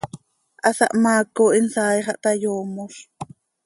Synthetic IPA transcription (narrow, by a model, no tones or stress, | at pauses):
ʔɑsɑ̰ʔmaːkoːʔinsaːjχɑʔt̪ajoːmoʃ